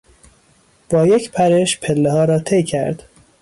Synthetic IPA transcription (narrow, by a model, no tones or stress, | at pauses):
b̥ɒːjecʰpʰæɾeʃpʰelːehɒːɾɒːt̪ʰejcʰæɾd̪̥